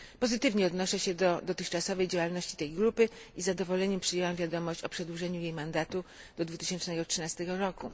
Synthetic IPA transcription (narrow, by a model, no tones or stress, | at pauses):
pɔzɘt̪ɘvɲɛɔd̪nɔʂɛɕɛd̪ɔd̪ɔt̪ɘxt͡ʂasɔvɛjd͡ʑawalnɔɕt͡ɕi̥t̪ɛjɡɾupɘizad̪ɔvɔlɛɲɛmpʂɘjɛwamvʲjad̪ɔmɔɕt͡ɕɔpʂɛd̪wuʐɛɲujejmand̪at̪u | d̪̥ɔd̪vut̪ɘ̥ɕɛnt͡ʂnɛɡɔtʂɘnast̪ɛɡɔɾɔku